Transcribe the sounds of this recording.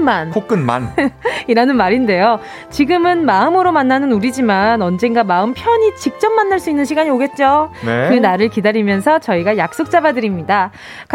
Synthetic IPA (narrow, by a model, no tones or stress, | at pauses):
mankʰok͈ɯnma̰niɾanɯnmaɾinde̞jo | t͡ɕiɡɯmɯnmaɯmɯɾomanːanɯnuɾid͡ʑimanʌnd͡ʑe̞ŋɡamaɯmpʰjʌɲit͡ɕik̚t͡ɕ͈ʌmːanːaɭs͈uinːɯnɕʰiɡaɲioɡe̞t̚t͡ɕ͈oneɯnaɾɯɭkidaɾimjʌnsʰʌt͡ɕʌiɡajak̚s͈ok̚t͡ɕ͈abadɯɾimɲida | k